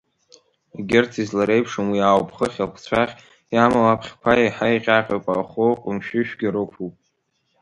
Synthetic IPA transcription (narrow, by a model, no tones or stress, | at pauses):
ɡʲɪrtʰizlaɾe̞jpʰʂomwiawpʼʰχəχʲakʷʰt͡ɕʷʰaχʲ | jamalapʰχʲkʷʰajajħajqʲʼaqʲʼapʼa̰χoqʷʼʊmʃᶣɪʃᶣɡʲaɾɨkʷʰupʼ